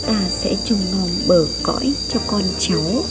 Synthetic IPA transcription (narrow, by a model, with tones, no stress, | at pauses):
t̪aː˧sɛ̰˧˥t͡ɕʊ˧ŋ͡mno˨˧˩ŋ͡mɓəː˨˩kɔ̰˧˥˨jt͡ɕɔ˧kɔ˧nt͡ɕa˨˦w